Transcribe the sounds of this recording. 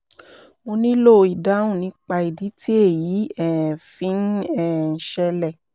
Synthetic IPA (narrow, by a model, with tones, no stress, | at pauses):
mo˧nĩ˦lo˦˨i˨da˨˦wũ˦˨nĩ˨˦k͡pa˧i˨di˨˦ti˦e˦˨jiː˨˦ɛː˨fĩ˦n̩˦ɛː˨n̩˨˦ʃɛ˧lɛ˨